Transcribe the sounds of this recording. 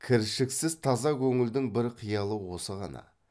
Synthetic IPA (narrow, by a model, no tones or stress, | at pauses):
kʲʰɪɾʃɪksɪzt̪ʰɑzɑkʲʰɵŋɪld̪ɪŋbɪɾqʰijɑlˠəwo̞səʁɑ̰nɑ̰